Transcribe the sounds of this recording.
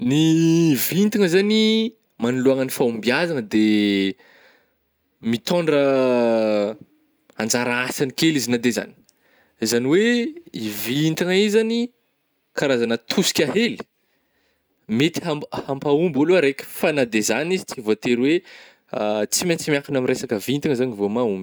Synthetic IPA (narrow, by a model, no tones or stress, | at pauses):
nivint̪iŋəzani | manuluaŋənifaumbiazanəd̪e | mit̪ɔɳɖ͡ʐə | and͡zaɾaasanikʲelizinad̪eza̰ni̥ | zaniweivint̪aŋaizani | kaɾazanət̪ʰusi̥kʲaɦeli̥ | met̪i̥ɦamhampaumboluaɾekʲə̥fanad̪ezanizit͡sivoat̪eɾwe | at͡simant͡simʲakunamiɾesakəvint̪aŋəzanivomaumbi̥